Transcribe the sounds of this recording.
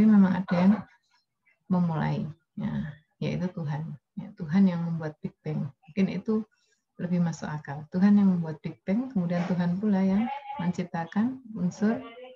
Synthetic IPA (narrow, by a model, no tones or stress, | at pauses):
imemaŋa̰dajaŋ | məmula̰i | ja̰ | ja̰ḭt̪ut̪uɦanjat̪uɦanjaŋməmbuat̪̚pik̚t̪ɛŋmuŋkɪnḭt̪u | ləbɪhmasʊkakalt̪uɦanjaŋməmbuat̪̚pik̚t̪ɛŋkəmudiant̪uɦanpulajamaɲt͡ʃip̚t̪akanunsʊr